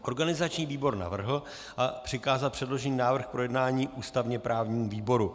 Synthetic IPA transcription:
ʔo̞ɾɡanɪzat͡ʃɲiːviːbo̞ɾna̰vr̩ɦl̩ | ʔapr̝̥ɪkaːzalpr̝̥ɛdlo̞ʒɛɲiːnaːvr̩xpɾo̞jɛdnaːɲiːʔuːst̪avɲɛpɾʔaːvɲiːmuviːbo̞ɾu

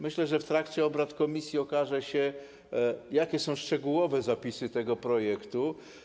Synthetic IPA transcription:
mɘɕlɛʐɛft̪ɾakt͡ɕɛɔbɾat̪kɔmʲisʲjiɔkaʐɛɕɛ | jakʲɛsɔ̃w̃ʂt͡ʂɛɡuwɔvɛzapʲisɘt̪ɛɡɔpɾɔjɛkt̪u

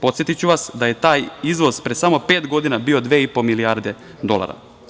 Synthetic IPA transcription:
po̞t̪sjet̪it͡ɕuʋasd̪aje̞t̪aːjizʋo̞zpɾesamo̞pe̞ːt̪ɡo̞d̪inabio̞d̪ʋeːipomiliaːɾd̪e̞ | d̪o̞lˠa̰ɾa̰

